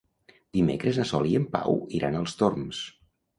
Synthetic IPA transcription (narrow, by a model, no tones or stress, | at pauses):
d̪̥imḛkɾəzəsɔliəmpa̰wiɾʔanəlˠst̪orms